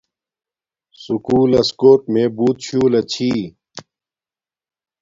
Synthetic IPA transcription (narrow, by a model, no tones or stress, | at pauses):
sukuːlɐskoːʈmẽːbuːt̪ɕʰuːlɐt͡ɕʰiː